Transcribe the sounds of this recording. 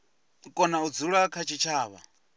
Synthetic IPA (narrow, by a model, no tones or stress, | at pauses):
kʼɔnaud͡zuɺuakʰat͡ʃʰit͡ʃʰaːβa̰